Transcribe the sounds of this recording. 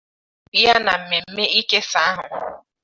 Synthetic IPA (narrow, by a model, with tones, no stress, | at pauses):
ja˦na˨m̩˨me˨m̩˦me˦ʔi˦ke˦sa˨˦a˦ɦʊ̰˨